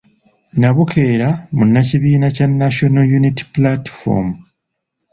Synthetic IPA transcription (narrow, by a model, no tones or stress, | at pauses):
naβukʰe̞ːɾamunːaciβiːnacanːaʃonojuniti̥plati̥fo̰mu